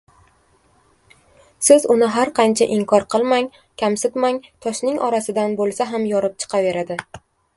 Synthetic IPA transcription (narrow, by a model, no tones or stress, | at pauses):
sɪzʊnɪɦaɾqʰɑnt͡ʃʰaʔɪŋkʰɒɾqʰɨlˠmaŋ | kʲʰamsɪt̪maŋt̪ʰɒʃnɪŋɒɾasɪd̪anbolˠsaɦamjɒɾɪp̚t͡ʃʰɨ̥qʰɑve̞ɾad̪ɪ